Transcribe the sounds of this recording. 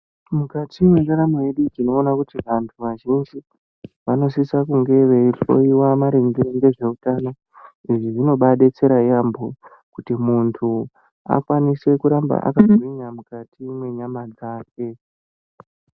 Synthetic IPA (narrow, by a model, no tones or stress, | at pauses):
mukatimwe̞taɾamoje̞ɗud͡ʒino̞ːnakutiʋantʰuʋaʒind͡ʒi | ʋano̞sisakuŋɡe̞ʋeiro̞̰iwamaɾeŋɡeɾoŋɡe̞ʐe̞utano̞ | iʐiʐino̞ɓaɗe̞t͡se̞ɾajambo | kutimuntʰu | a̰kwanise̞kuɾamba̰ʔa̰kazoiɲamukatimwe̞ɲamad͡zaːke